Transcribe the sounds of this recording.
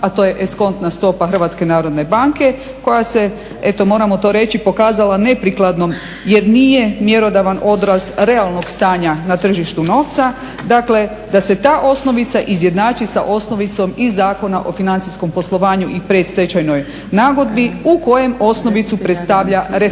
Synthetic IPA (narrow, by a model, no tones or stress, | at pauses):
at̪o̞ːje̞ʔesko̞nt̪nast̪o̞paxr̩ʋat̪ske̞naːɾo̞d̪ne̞baŋke̞ | ko̞jase̞ | et̪o̞mo̞ːɾamo̞t̪o̞ːɾe̞t͡ʃipo̞kaːzalane̞pɾiklad̪no̞m | jeɾniːje̞mje̞ɾo̞d̪aʋanʔo̞d̪ɾasɾe̞alˠno̞ɡst̪aːɲanat̪r̩ʒiʃt̪uno̞ːʋt̪sa | d̪akle̞ | d̪ase̞t̪aːʔo̞sno̞ʋit̪saʔizje̞d̪naːt͡ʃisa̰ʔo̞sno̞ʋit̪so̞mizaːko̞naʔo̞finant̪sisko̞mpo̞slˠoʋaːɲuʔipɾed̪st̪et͡ɕajno̞j | naːɡo̞d̪biuko̞je̞mo̞sno̞ʋit̪supɾe̞t̪st̪aʋʎaɾe